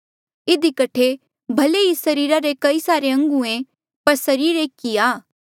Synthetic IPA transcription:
ɪd̪ikɐʈʰe | bʱɐleisɐɾiːɾaɾekɐisaːɾeɐ̃ŋɡuẽ | pɐɾsɐɾiːɾekiaː

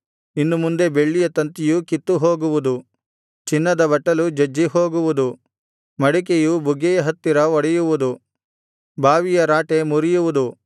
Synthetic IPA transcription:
inːumund̪e̞be̞ɭːijɐt̪ɐnt̪ijukit̪ːuɦoːɡuʋud̪u | t͡ʃinːɐd̪ɐbɐʈːɐlud͡ʒɐd͡ʒːiɦo̞ːɡuʋud̪u | mɐɽik̬ejubʱuɡɛjɐɦɐt̪ːiɾɐʋɔɽɛjuʋud̪u | bʱaːʋijɐɾaːʈe̞muɾijuʋud̪u

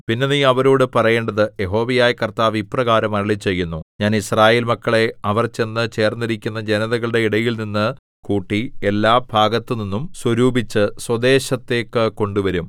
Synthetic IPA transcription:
pinːeniɐʋɐɾoːɽɨpɐrɐje̞ːɳɖɐðɨje̞ɦo̞ːʋɐjaːjɐkɐrt̪aːʋiprɐɣaːɾɐmɐɾɐɭit͡ɕe̞jːunːuɲaːnisraːjeːlmɐkːɐɭe̞ɐʋɐrt͡ɕe̞nːɨt͡ɕe̞ːrnːiɾikʲːunːɐd͡ʑe̞nɐðɐɣɐɭɨɽe̞iɽɐjilninːɨ | kuːʈːie̞lːaːbʱaːɡɐt̪ːɨninːumswɐɾuːbʱit͡ɕːɨswɐd̪e̞ːɕɐt̪ːe̞ːkːɨko̞ɳɖuʋɐɾum

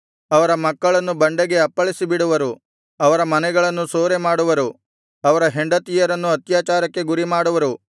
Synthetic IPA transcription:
ɐʋɐɾɐmɐkːɐɭɐnːubɐɳɖeɡe̞ɐpːɐɭisibiɽuʋɐɾu | ɐʋɐɾɐmɐnɛɡɐɭɐnːusoːɾemaːɽuʋɐɾu | ɐʋɐɾɐɦe̞ɳɖɐt̪ijɐɾɐnːuɐt̪jaːt͡ʃaːɾɐkːe̞ɡuɾimaːɽuʋɐɾu

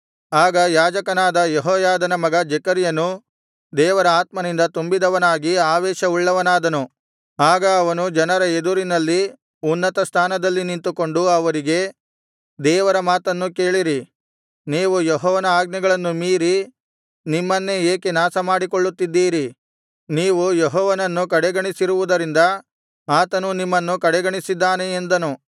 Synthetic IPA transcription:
aːɡɐjaːd͡ʒɐkɐnaːd̪ɐjeɦɔːjaːd̪ɐnɐmɐɡɐd͡ʒɛkɐɾjɐnu | d̪ɛːʋɐɾɐaːt̪̚mɐnind̪ɐt̪umbid̪ɐʋɐnaːɡiaːʋɛːʃɐuɭːɐʋɐnaːd̪ɐnu | aːɡɐːʋɐnud͡ʒɐnɐɾɐed̪uɾinɐlːi | unːɐt̪ɐst̪ʰaːnɐd̪ɐlːinint̪uko̞ɳɖuɐʋɐɾiɡe̞ | d̪ɛːʋɐɾɐmaːt̪ɐnːuke̞ːɭiɾi | niːʋujɔɦɔːʋɐnɐaːɡ̚nɛɡɐɭɐnːumiːɾi | nimːɐnːe̞eːkenaːsɐmaːɽiko̞ɭːut̪ːid̪ːiːɾi | niːʋujeɦɔːʋɐnɐnːukɐɽɛɡɐɳisiɾuʋud̪ɐɾind̪ɐ | aːt̪ɐnunimːɐnːukɐɽɛɡɐɳisid̪ːaːneːnd̪ɐnu

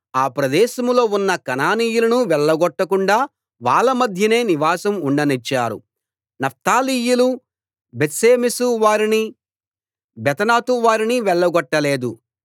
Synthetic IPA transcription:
aːpɾɐd̪ɛːʃɐmlo̞ːunːɐkɐnaːniːjulɐnuʋɛɭːɐɡɔʈːɐkuɳɖaː | ʋaːɭːɐmɐd̪ʱjɐne̞ːniʋaːsɐmuɳɖɐnit͡ʃːaːɾṵ | nɐp̚t̪aːliːjulu | bet̪seːmisuʋaːɾini | bɛt̪ɐnaːt̪uʋaːɾiniʋɛɭːɐɡɔʈːɐleːd̪u

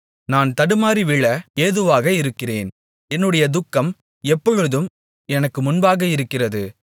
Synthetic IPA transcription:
naːnt̪ɐɽɯmaːɾiʋɪɭɐeːðɯʋaːɣɐɪɾɯkːɪrḛːn | ɛnːɯɽɐjɐd̪ʊkːɐm | ɛpːɔɻɯðɯm | ɛnɐkːɯmʊnbaːɣɐɪɾɯkːɪrɐðɯ

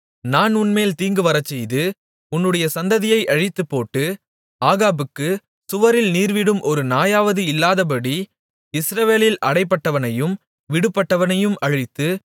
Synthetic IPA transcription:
naːnʊnmeːlt̪iːŋɡɯʋɐɾɐt͡ʃːɛjðɯ | ʊnːɯɽɐjɐsɐnd̪ɐðɪjɐɪʔɐɻɪt̪ːɯpːoːʈːɯ | aːɣaːbɯkːɯ | sʊʋɐɾɪlniːɾʋɪɽɯmʔɔɾɯnaːjaːʋɐðɯɪlːaːðɐp̬ɐɽi | ɪsɾɐʋeːlɪlɐɽɐɪpːɐʈːɐʋɐnɐjɯm | ʋɪɽɯpːɐʈːɐʋɐnɐjɯmɐɻɪt̪ːɯ

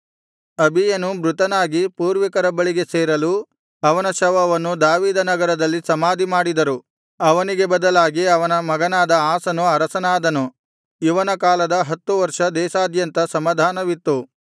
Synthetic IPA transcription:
ɐbʱijɐnubɾut̪ɐnaːɡipuːɾʋikɐɾɐbɐɭiɡe̞seːɾɐlu | ɐʋɐnɐʃɐʋɐʋɐnːud̪aːʋiːd̪ɐnɐɡɐɾɐd̪ɐlːisɐmaːd̪ʱimaːɽid̪ɐɾu | ɐʋɐniɡe̞bɐd̪ɐlaːɡiɐʋɐnɐmɐɡɐnaːd̪ɐaːsɐnuɐɾɐsɐnaːd̪ɐnu | iʋɐnɐkaːlɐd̪ɐɦɐt̪ːuʋɐɾʂɐd̪ɛːʃaːd̪jɐnt̪ɐsɐmaːd̪ʱaːnɐʋit̪ːu

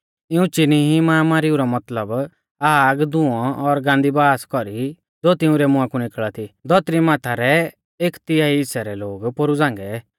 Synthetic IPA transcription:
ɪũt͡ʃɪniɦimaːmaːɾɪuɾɔmɐt̪ləb | aːɡd̪ʊ̃ɔ̃ʔɔɾɡãːnd̪ibaːskɔɾi | d͡zoːt̪ɪ̃ũɾɛmʊ̃ãkunɪkɭat̪ʰid̪ɔt̪ɾimãːt̪ʰaɾɛ | eːkt̪ɪaːiɪsɛɾɛloːɡpoɾud͡zãːŋɡɛ

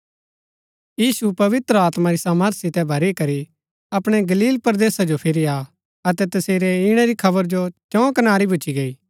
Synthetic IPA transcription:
jiːsupɐʋɪt̪ɾəaːt̪maɾisaːməɾt̪ʰsɪt̪ɛbʱɐɾikɐɾi | ɐpɽ̃ɛɡɐliːlpɐɾd̪eːsad͡ʒopʰɪɾia | ɐt̪ɛt̪ɐseːɾɛɪɽ̃ɛɾikʰɐβəɾd͡ʒot͡ʃɔ̃kɐnaːɾibʱʊt͡ʃiɡɐiː

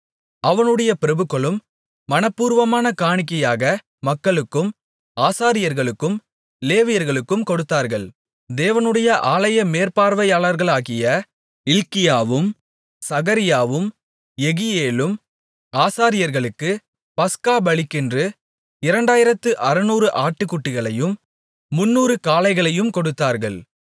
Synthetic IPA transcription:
ɐʋɐnɯɽɐjɐpɪɾɐbɯkːɐɭɯmː | ɐnɐpːuːɾʋɐmaːnɐkaːɳɪk̬ːɐjaːɣɐ | mɐkːɐɭɯkːɯm | aːsaːɾɪjɐɾɣɐɭɯkːɯm | leːʋɪjɐɾɣɐɭɯkːɯmkɔɽɯt̪ːaːɾɣɐɭ | d̪eːʋɐnɯɽɐjɐʔaːlɐjɐmeːɾpaːɾʋɐjaːɭɐɾɣɐɭaːɣɪjɐ | ɪlkɪjaːʋɯm | sɐɣɐɾɪjaːʋɯm | ɛɣɪjeːlɯm | aːsaːɾɪjɐɾɣɐɭɯkːɯ | pɐskaːbɐɭɪkːɪndrɯ | ɪɾɐɳɖaːjɪɾɐt̪ːɯʔɐɾɯnuːɾɯʔaːʈːɯkːʊʈːɪɣɐɭɐjɯmː | ʊnːuːɾɯkaːlɐɪɣɐɭɐjɯmkɔɽɯt̪ːaːɾɣɐɭ

